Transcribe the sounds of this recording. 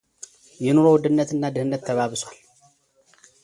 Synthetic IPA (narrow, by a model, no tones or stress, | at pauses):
jɪnuɾowʊd̪ɨnːɐt̪ɨnːad̪ɨhɨnːɐt̪ʰːɐβaβɨsalː